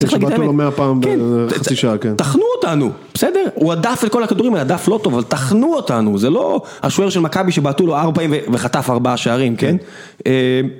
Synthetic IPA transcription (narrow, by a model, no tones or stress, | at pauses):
t͡siχlaɡidulomeapaːmbkenasiʃaakent̪aχnuotanub̥esede̞ʁuadafetko̞lhakad̪uʁimelad̪aflo̞tovavalt̪aχnuotanuzelo̞̰ | a̰ʃoeʁʃelmakabiʃebaːtulo̞aʁbapaimveveχat̪afaʁbaaʃeaʁimken | em